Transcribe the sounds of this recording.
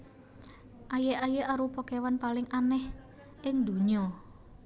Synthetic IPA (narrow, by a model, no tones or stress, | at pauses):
ʔajeʔajeʔaɾupɔkewanpalɪŋʔanɛh | ʔɪŋd̪ṳɲɔ